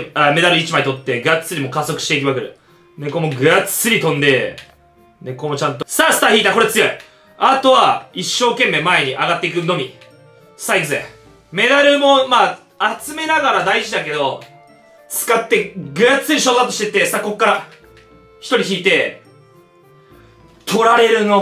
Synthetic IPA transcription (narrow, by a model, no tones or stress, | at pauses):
ame̞d̪aɾɯ̟it͡ɕimait̪ot̪ːe̞ɡɯ̟at͡sɨ̥t͡sːɨɾʲimo̞kaso̞kɯ̟̥i̥t̪e̞ikɯβakɯ̟ɾɯ̟ | ne̞ko̞mo̞ɡɯ̟at͡sɨ̥ɨɾʲit̪õ̞nd̪e̞ | neko̞mot͡ɕãnt̪osasɨ̥t̪açiːt̪ako̞ɾet͡sɨjo̞i | at̪o̞βaiɕːo̞ːke̞mːe̞ːmae̞ɲ̟iʔaɡat̪ːeikɯ̟no̞mʲi | saikɯzḛ | me̞d̪aɾɯ̟mo̞maː | at͡sɨme̞naɡaɾad̪aiʑid̪ake̞d̪o̞ | t͡sɨ̥kat̪ːe̞ɡɯ̟jat͡sɨ̥t͡sːɨɾʲiɕoːd̪at̪ːoɕi̥t̪e̞t̪ːe̞sako̞kːaɾa | çi̥t̪o̞ɾʲiçiːt̪e̞ | t̪ʰo̞ɾaɾe̞ɾɯ̟no̞